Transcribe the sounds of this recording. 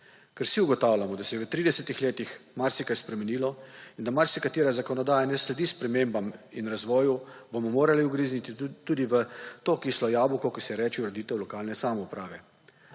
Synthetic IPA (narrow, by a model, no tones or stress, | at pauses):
kɛɾsiuɡɔt̪aːwlʲamɔd̪asɛjɛʋət̪ɾiːd̪ɛsɛt̪ixleːt̪ixmaɾsikajspɾɛmɛniːlɔind̪amaɾsikat̪iːɾazakɔnɔd̪aːjanɛslɛd̪iːspɾɛmeːmbaminɾazʋɔːjubomɔmoːɾaliuɡɾiːznit̪it̪ud̪iʋət̪oːkislɔjaːbukɔkisɛjɛɾɛːt͡ʃiɾɛd̪iːt̪ɛwlɔkaːlnɛsaːmɛupɾaːʋɛ